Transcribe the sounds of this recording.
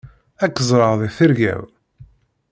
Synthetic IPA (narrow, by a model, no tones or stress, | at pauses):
ækːzˤɾˤɑʁðˤiθəɾʝæ̰w